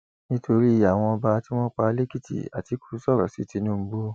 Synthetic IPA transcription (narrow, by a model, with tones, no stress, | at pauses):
nĩ˦tʰo˧ɾi˦˧˦a˨w̃ɔ̃˧ɔ˧ba˧ti˦w̃ɔ̃˦k͡pa˧le˦ki˦˨tḭ˨a̰˨ti˨˦ku̥˦sɔ˦˨ɾɔ̰˨si˦˨ti˧˦nũ˦˧˦bo˦